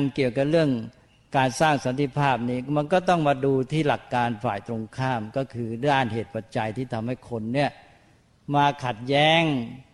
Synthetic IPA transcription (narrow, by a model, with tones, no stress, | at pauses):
nki˨˩əwka˨˩p̚ɾɯ˥˩əŋ | kaː˧nsaː˥˩ŋsa˨˦nt̪ʰi˧˥pʰaː˥˩p̚niː˦˥˩ma˧nkɔː˥˩t̪ɔ˥˩ŋmaː˧duː˧t̪ʰiː˥˩la˨˩kːaː˧nfa̰ː˨˩jt̪ɾo˧ŋkʰaː˥˩mkɔː˥˩kʰɯː˧daː˥˩nɦeː˨˩t̪̚pa˨˩t̪̚t͡ɕa˧jt̪ʰiː˥˩t̪ʰa˧mha˥˩jkʰo˧nːi˥˩ɐ | maː˧kʰa˨˩t̪̚jɛː˦˥ŋ